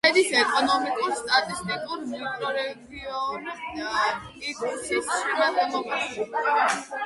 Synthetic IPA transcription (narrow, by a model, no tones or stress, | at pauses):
ɛd̪isɛkʼɔnɔmikʼuɾst̪ʼat̪ʼist̪ʼikʼuɾmikʼɾɔɾɛɡiɔ | it̪ʰʼusismat̪ʼɛlɔbaʃɛ